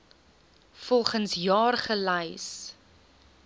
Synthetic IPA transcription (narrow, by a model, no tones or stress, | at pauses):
fɔlˠχənsjɑːrχəlɐjs